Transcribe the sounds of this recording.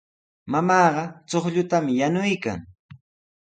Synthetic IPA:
mamɑːɢɑt͡soχʎʊt̪amjanʊjka̰ŋ

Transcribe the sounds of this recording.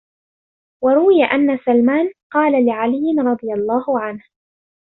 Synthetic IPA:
wɑɾˤʊwɪjaʔanːasalmaːnqɑːlalɪʕalɪjːɪnɾˤɑd̪ˤɨjalˤːɑːhʊʕanh

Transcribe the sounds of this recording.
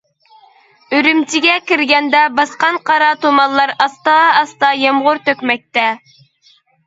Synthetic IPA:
øɾymt͡ʃʰiɡʲɛkʲiɾɡʲɛnd̪ɛbɑsqɑnqʰɑɾɑt̪ʰomɑnlˠɑɾɑst̪ɑːst̪ɑjɑmʁʊɾt̪økʲmɛk̚ʲt̪ɛ

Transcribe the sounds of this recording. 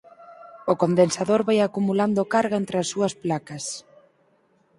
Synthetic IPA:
ʊkond̪ensaðoɾβajakumuland̪ʊkaɾɣent̪ɾɪasːuɐsplakɐs

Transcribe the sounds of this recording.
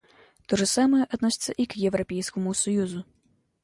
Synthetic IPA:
t̪ɔʐɨsamɨjɛʔad̪̚nɔsʲɪt̪sːɐʔikjɛwɾɐpʲɛjsʲkɐmusɔjuzu

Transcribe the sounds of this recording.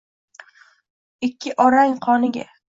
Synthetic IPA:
ɪkʲʰːɪʔɒɾaŋqʰɒnɪɡʲa̰

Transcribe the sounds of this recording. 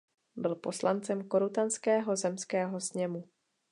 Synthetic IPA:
bɪlpo̞slʔant͡sɛmko̞ɾut̪anskɛːɦo̞zɛmskɛːɦo̞sɲɛmu

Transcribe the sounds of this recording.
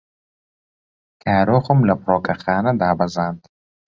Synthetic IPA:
kʰaːɾoːχʊmlɐpʰɾɔːkaχaːnad̪aːbɐzand̪

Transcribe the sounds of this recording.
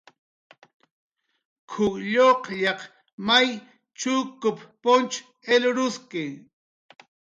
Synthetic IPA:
kʰʊkʎoqʎɑq | maj | t͡ʃʊkʊppont͡ʃ | elʊɾʊskɪŋ

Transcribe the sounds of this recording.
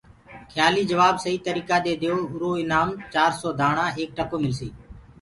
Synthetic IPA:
kʰjaːliːd͡ʒəʋaːbsəɦiːt̪əɾiːkaːd̪eːd̪ejoːʊɾoːɪnaːmt͡ʃaːɾsɔːd̪ʱaːɳãːeːk̚ʈəkoːmɪlsḭː

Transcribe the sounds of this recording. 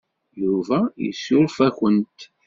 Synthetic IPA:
juvæjḭsʊɾfæçənt̪

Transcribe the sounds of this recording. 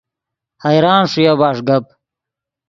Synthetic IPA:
hɐjɾaːnʂujabaːʂɡɐp̚

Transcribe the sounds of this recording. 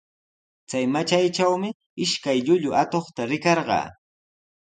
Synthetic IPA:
t͡sajmat͡ʃajʈ͡ʂawmɪ | ɪʃkajʎʊʎʊʔat̪oχt̪aɾɪkɑɾɢɑ̰ː

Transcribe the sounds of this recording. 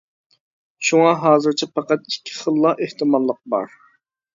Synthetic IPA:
ʃuŋɑɦɑːzɨɾt͡ʃʰɛpʰɑqæt̪̚ikʲʰːi̥χəlˠːɑʔeht̪ʰɨmɑlˠːəq̚bɑ̰ɾ

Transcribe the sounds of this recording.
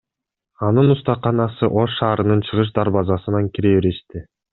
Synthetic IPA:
ɑnɯnust̪ɑqːɑnɑsɯʔo̞ʃːɑːɾɯnɯnt͡ʃʰɯʁɯʃ̬d̪ɑɾβɑzɑsɯnɑŋkiɾeβeɾeʃt̪i

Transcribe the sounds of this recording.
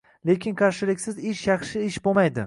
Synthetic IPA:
lekʲʰɪnkʰɑɾʃɪlɪkʲsɪzɪʃjɑχʃɪɪʃbomajd̪ɪ

